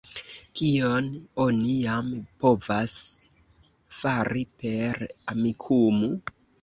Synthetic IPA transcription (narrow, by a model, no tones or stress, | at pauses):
kiono̞nijampo̞vas | faɾipe̞ɾamikʰumu